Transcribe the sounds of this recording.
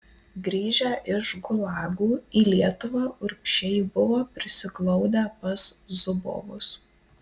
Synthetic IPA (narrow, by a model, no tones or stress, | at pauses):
ɡɾʲiːʒʲæʔɪʃɡʊlˠɑːɡuːiːlʲiɛt̪ʊʋɑːʔʊɾʲpʲʃʲɛɪbʊʋoːpʲɾʲɪsʲɪɡlˠɐʊd̪ʲæːpɐszʊbo̰ːʋʊs